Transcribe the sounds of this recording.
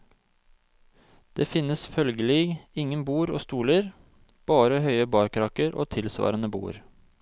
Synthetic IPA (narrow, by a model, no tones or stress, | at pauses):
d̪̥eːfɪnəsfœlɡəlɪɡɪŋənbuːɾo̰ːst̪uːləɾ | b̥ɑːɾəhœʏəbɑːɾkʰɾɑːkəɾʔo̰ːt̪ʰɪlsʋɑ̰ːɾənəbṵːɾ